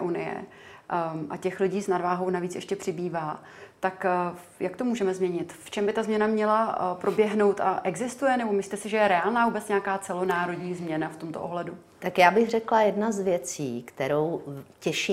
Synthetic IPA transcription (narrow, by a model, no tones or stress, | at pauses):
ʔunɪ̰jɛ̰ | ʔa̰cɛxlɪɟiːsnadvaːɦo̞wnaviːt͡sɛʃcɛpr̥ɪbiːvaː | t̪ak | jakt̪omuːʒɛmɛzmɲɛɲɪt̪ft͡ʃɛmbɪt̪azmɲɛnamɲɛlapɾo̞bjɛɦno̞wt̪ʔa̰ʔɛɡzɪst̪ujɛnɛbo̞mɪslit̪ɛsɪʒɛjɛɾɛaːlnaːvuːbɛt͡sɲɛakaːt͡sɛlonaːɾo̞dɲiːzmɲɛnaft̪o̞mt̪o̰ʔoɦlɛdu | t̪akjaːbɪxrɛklajɛdnazvjɛt͡siːkt̪ɛɾowcɛʃi